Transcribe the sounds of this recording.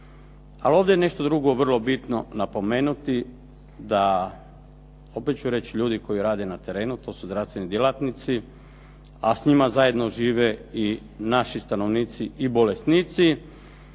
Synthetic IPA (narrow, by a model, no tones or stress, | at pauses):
alo̞ːʋd̪ejene̞ʃt̪o̞d̪ɾuɡo̞ʋr̩lˠo̞bit̪no̞napo̞me̞ːnut̪i | d̪a | o̞pet̪̚t͡ɕuɾe̞t͡ɕiʎuːd̪iko̞jiɾaːd̪e̞nat̪e̞ɾe̞ːnut̪o̞ːsuzɾafst̪ʋe̞nid̪jelˠat̪nit̪si | asɲimazaje̞d̪noʒiːʋei | naʃist̪ano̞ʋniːt̪siʔibo̞lesniːt̪si